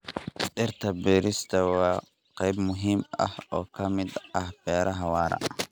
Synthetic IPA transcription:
ɗɪrt̪ʰɐbiːɾɪst̪ʰɐwɑː | qɛjbmʊɦiːmɐ̰hɔːkʰɐmɪd̪ɐhb̥ɛːɾʔɐɦɐwɑːɾɐ̰ʔ

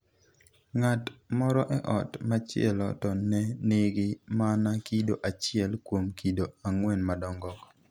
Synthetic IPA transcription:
ŋatmɔɾɔʔɛʔɔtmat͡ʃɪɛ̰lɔ̰tɔnːɛnɪɡɪmanakidoʔat͡ʃɪɛlkwomkidoaŋwɛnmadɔŋɡɔk

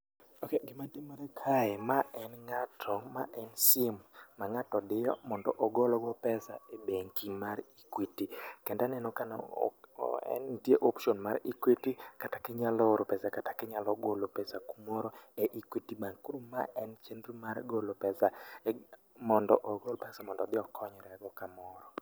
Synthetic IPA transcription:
okeɡɪmatemaɾɛkʰaɛmaʔɛnŋatʰɔma̰ʔɛnsɪmmaŋatɔdɪjɔ̰mɔndɔ̰ʔɔɡɔlɔɡɔpɛsaebeŋkimaɾikwitikɛndanɛnɔkan̰ | ɛ̰ntjeʔopʃɔnma̰ɾikwitikatakɪɲalɔoɾopɛsakatakɪɲalɔɡolopɛsakumɔɾɔeʔikwitibaŋkuɾuma̰ʔɛnt͡ʃendrumaɾɡolopɛsa | mɔndɔʔɔɡɔlɔpɛsamɔndɔd̪ɪɔkʰɔɲɔɾɛɡɔkamɔɾɔ

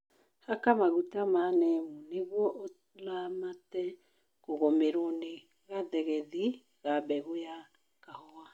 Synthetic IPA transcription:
hakamaɣutamanɛmuneɣwɔʔo | lamatɛ | koɣomeɾone | ɣaðɛɣɛði | ɣabɛɣoja | kahɔa

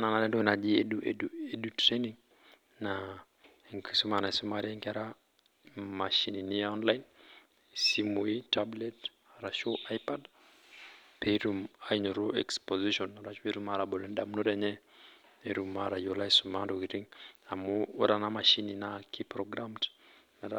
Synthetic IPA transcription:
nanalɛndɔɛnad͡ʒiɛɗuɛduedutɾeniŋ | na | ŋkisumanaisumaɾiaŋkaɾa | maʃininiaɔnlajn | simuitablɛt | ɾaʃoʔajpad | peɾumaiɲoɾoɛkspɔziʃɔnɾaʃpeɾumaɾabɔlɛndamnoɾaɲɛ | eɾumaɾajolaisumandokiɾiŋamuːɾanamaʃininakipɾɔɡɾamt | naɾa

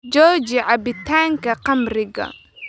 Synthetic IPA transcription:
d͡ʒɔːt͡ʃɪʕɑbɪt̪ʰaːŋkʰɐqɑmrɪɣɐ̰

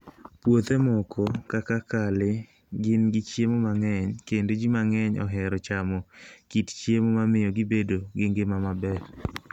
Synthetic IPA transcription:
pwot̪emɔkʰɔkakakalɪ | ɡɪnɡɪt͡ʃjemomaŋɛɲkendod͡ʒimaŋɛɲɔ̰ɦɛɾɔt͡ʃamɔkitt͡ʃjemomamɪjɔɡɪbedoɡeŋɡemamabɛɾ

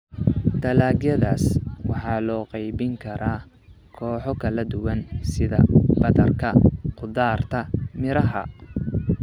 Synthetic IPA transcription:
d̪ɐlaːɡjɐðaːswɑħɑːlɔːqɑjβɪŋkʰɐɾaː | kʰɔːħɔkʰɐlɐd̪ʊwɐnsɪðɐ̰bɐðɐrkʰɐqʊðaːrt̪ʰɐmɪɾɐɦɐ̰

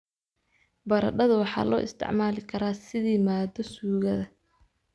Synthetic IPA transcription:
bɐɾɐ̰ɖɐðʊwɑħɑ̰ːlɔ̰ːʔɪ̰st̪ʰɪ̰ʕmaːlɪkʰɐɾaːsɪðiːmaːd̪ɔsuːɣɐðɐ

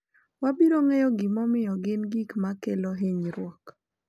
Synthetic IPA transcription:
wabiɾoŋejɔɡɪmɔmɪjɔɡɪnɡikmakeloɦeɲɾwɔk

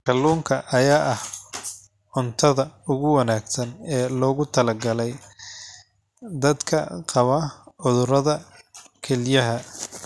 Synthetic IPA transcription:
kʰɐlːuːŋkʰɐʔɐjaːʔɐh | ʕʊnt̪ʰɐðɐʊɣʊwɐnaːɡsɐnɛːlɔːɣʊt̪ʰɐlɐɡɐlɛj | d̪ɐd̪kʰɐ̰qɑβɐʕʊðʊɾɐðɐkʰɛlɪjɐɦɐ

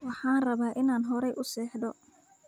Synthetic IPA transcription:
wɑħɑːnrɐβaːʔɪnaːnɦɔɾɛjʔʊsɛːħd̪ɔ

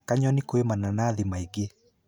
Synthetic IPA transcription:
kaɲɔnikoemananaːðimaiɡe

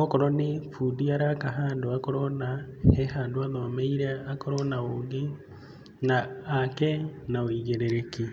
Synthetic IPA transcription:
okoɾonifudiaɾakaɦaːnduakoɾonahehaːnduaðomeiɾeakoɾonaoːŋɡi | naːkenawiɣeɾeɾeki

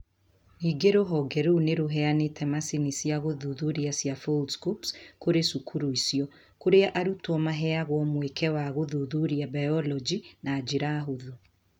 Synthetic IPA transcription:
iɡeɾoɦɔɡɛɾoneɾoɦɛanetʰɛmasinisiaɣoðuðuɾiasjafoldskupskoɾesukʰuɾuisiɔ | koɾeaʔaɾutɔmaɦɛaɣwɔmwekʰɛwaɣoðuðuɾiabajɔlɔd͡ʒinaːd͡ʒiɾaɦoðu

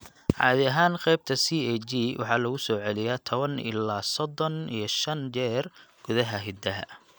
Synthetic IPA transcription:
ʕɑ̰ːðɪɐɦaːnqɛjb̚t̪ʰɐsiːɛd͡ʒiwʔɑ̰ħɑːlɐɣʊsɔːʕɛlɪjaːt̪ʰɔβɐnɪ̰laːsɔd̪ɔnḭjɞʃɐnt͡ʃɛːrɡ̥ʊðɐɦɐɦɪd̪ɐɦɐ̰

